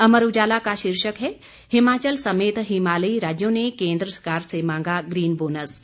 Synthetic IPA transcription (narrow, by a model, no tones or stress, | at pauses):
ɐməɾud͡ʒaːlakaʃiɾʃəkɦɛ | hɪmaːt͡ʃəlsɐmeːt̪ɦimaːləiɾaːd͡ʒjõnekẽːnd̪ɾəsəkaːɾsemãːŋɡaɡɾiːnboːnəs